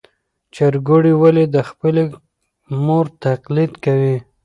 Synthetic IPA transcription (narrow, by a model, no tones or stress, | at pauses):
t͡ʃaɾɡoɽiwaled̪əxpəle | moɾt̪aqlid̪kawi